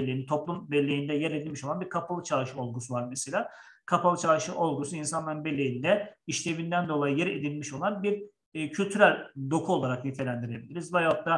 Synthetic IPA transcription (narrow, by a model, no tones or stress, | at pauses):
lʲːejnit̪ʰo̞plˠumbɛlʲːe̞jind̪ɛjɛɾed̪ilmiʃoanbiɾkʰapʰalˠɯt͡ʃʰaʃɯo̞lˠɡusuvaɾmeselʲaː | kʰapʰalˠɯt͡ʃʰaʃɯʔo̞lˠɡusuinsanlˠaɾɯnbelʲːejind̪ɛiʃlʲe̞vind̪ænd̪o̞lˠajɯjɛɾḛd̪ilʲmiʃo̞lˠanbiɾ | cʰylʲt̪ʰyɾælʲd̪okʰuolˠaɾaknyt̪ʰelʲænd̪iɾe̞bilʲiɾizvɛjak̚t̪ʰa